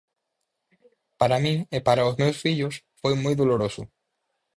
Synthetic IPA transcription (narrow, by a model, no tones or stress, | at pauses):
paɾamĩŋepaɾaozmewsfiʎʊs | fojmojðoloɾosʊ̰